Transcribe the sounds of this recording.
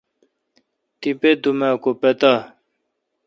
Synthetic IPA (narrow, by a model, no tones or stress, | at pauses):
t̪iped̪umaːkopet̪a